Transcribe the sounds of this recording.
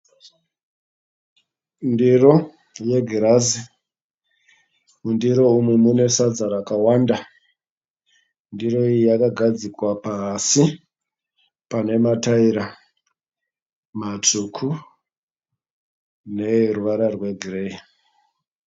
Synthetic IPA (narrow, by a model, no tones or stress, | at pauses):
ndiro | je̞ɡʱiɾazi | undiɾo̞umwemune̞sad͡zaɾakawanda | ndiro̞iijakaɡʱad͡zikwapasi | pane̞mataiɾa | mat͡ʂukʰu | ne̞ruʋaɾarwe̞ɡʱirei